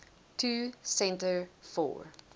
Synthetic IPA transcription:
tʰuːsɛ̃ntəɹfɔ̰ːɹ

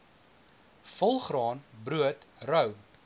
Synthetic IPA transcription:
fəlˠχrɑːnbɾuətrœw

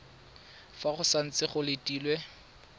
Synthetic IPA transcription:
faχʊsan̩t͡sɪχʊlɪtʼiːlwɛ

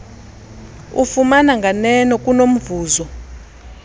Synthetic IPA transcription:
ṵfumanaŋɡʱanɛnɔkʼunom̩vuːzɔ

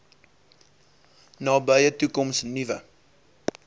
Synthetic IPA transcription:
nɑːbəjətukɔmsnivə

